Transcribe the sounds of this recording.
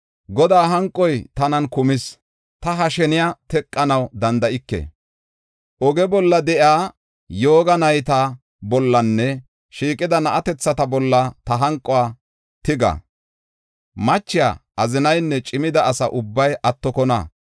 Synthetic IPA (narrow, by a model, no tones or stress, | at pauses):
ɡɔd̪aːɦɐŋkʼːɔjt̪ɐnɐnkʊmɪs | t̪ɐɦɐʃɛnɪjat̪ɛkʼːɐnɐwd̪ɐnd̪ɐʔɪkːɛ̰ | ʔɔɡɛbɔlːɐd̪ɛʔjaː | jo̞ːɡɐnɐjt̪ɐ | bɔlːɐnːɛ | ʃiːkʼɪd̪ɐnɐʔɐt̪ɛt͡sːɐt̪ɐbɔlːɐt̪ɐɦɐŋkʼːɔaː | t̪ɪɡɐ̰ | mɐt͡ʃːɪja̰ːɐzɪnɐjnːɛt͡ʃʼɪmɪd̪ɐːsɐʔʊbːɐjʔɐt̪ːɔkɔnɐ̰